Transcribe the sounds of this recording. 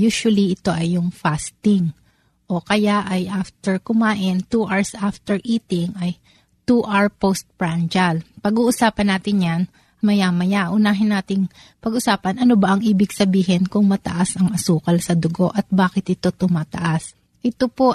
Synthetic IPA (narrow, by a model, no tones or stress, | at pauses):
juːʃwɐliɪt̪o̞ʔɐjːʊŋfast̪ɪŋ | ʔo̞kɐjaʔɐjʔaft̪ɛɹkʊmaːʔɪnt̪uʔaɹsʔaft̪ɛɹʔiːt̪ɪŋʔɐj | t̪uʔaɹpost̪̚pɹand͡ʒɐlpɐɡuːʔʊsaːpɐnːaːt̪ɪnjan | mɐjamɐjaʔʊnaːɦɪnːaːt̪ɪŋ | pɐɡʔʊsaːpɐnʔɐnobɐʔɐŋʔiːbɪɡsɐbiːɦɪnkʊŋmɐt̪ɐ̰ʔasɐŋɐsuːkɐlsɐd̪ʊɡo̞ʔɐt̪̚baːkɪt̪ʔɪt̪o̞t̪ʊmaːt̪ɐ̰ʔas | ʔɪt̪opo̞